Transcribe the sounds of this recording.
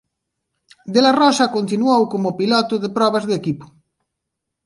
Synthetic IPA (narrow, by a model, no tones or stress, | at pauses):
d̪elarɔsakont̪inwowkomopilɔt̪ʊðepɾɔβ̞azðekipo̥